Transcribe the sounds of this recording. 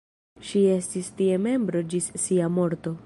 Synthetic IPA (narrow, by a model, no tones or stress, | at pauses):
ʃie̞stistie̞me̞mbɾo̞d͡ʒissiamo̞ɾto̞